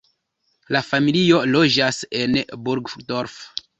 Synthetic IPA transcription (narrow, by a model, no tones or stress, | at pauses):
lafamilio̞lo̞d͡ʒase̞nbuɾɡdoɾf